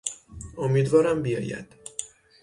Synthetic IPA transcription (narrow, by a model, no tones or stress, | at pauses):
omiːd̪vɒːɾæmbijɒ̰ːjæ̰d̪̥